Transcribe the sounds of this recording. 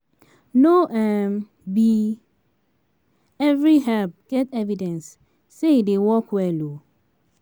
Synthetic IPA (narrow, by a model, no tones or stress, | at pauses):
noʔɛm | bi | ɛvɹiɦɛlp̚ɡ̥ɛtɛvidɛ̃nsː | edewɔkwɛlo